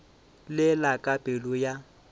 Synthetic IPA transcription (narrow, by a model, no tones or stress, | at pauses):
lɪlakʼapʼɪlʊja